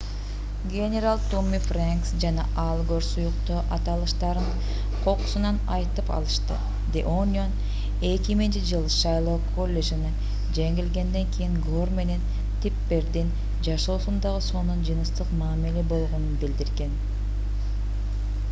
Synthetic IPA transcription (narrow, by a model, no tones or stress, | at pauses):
ɡʲenʲe̞ɾalˠt̪omʲːifraŋksd͡ʒɑnɑʔɑlˠɡoɾsujuqt̪oːʔɑt̪ɑlˠɯʃt̪ɑɾɯn | qʰo̞qu̥sunɑnɑjt̪ɯpɑ̰lˠɯʃt̪ɯ̰ | d̪ʲeonʲon | e̞kimint͡ʃid͡ʒɯlˠʃɑjlˠokʰo̞lʲːe̞ʒinɯ | d͡ʒeŋɡilɡe̞nd̪e̞ŋkʰijiŋɡo̞rme̞ne̞n | t̪ʰipːe̞ɾd̪in | d͡ʒɑʃo̞ːsund̪ɑʁɯso̞nund͡ʒɯnɯst̪ɯqmɑːmilebo̞lˠʁo̞nunbild̪iɾɡe̞n